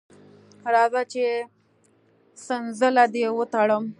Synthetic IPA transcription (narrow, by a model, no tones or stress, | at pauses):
ɾɑzat͡ʃe | sənzəlad̪ewət̪aɽəm